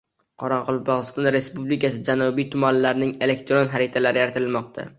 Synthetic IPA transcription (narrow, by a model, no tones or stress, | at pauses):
qʰɒɾɑqʰɒlˠbɒʁɨst̪ɒnɾe̞spublikʲʰasɪd͡ʒanʊbijt̪ʰʊmanlaɾnɪŋe̞le̞kt̪ʰɾonɦaɾɪt̪ʰalaɾɪjaɾat̪ɪlmɒq̚t̪ʰa̰